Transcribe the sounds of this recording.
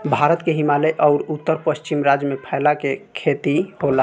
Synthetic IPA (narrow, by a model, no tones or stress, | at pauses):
bʱaɾət̪keɦimaleʔɔʊɾut̪ːəɾpəst͡ʃimɾad͡ʒjəmepʰəɪlakekʰet̪iɦola